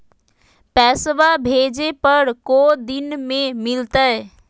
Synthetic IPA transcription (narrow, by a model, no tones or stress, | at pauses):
pɛːsʋabʱeːd͡ʒepəɾkod̪inmẽmɪlt̪əe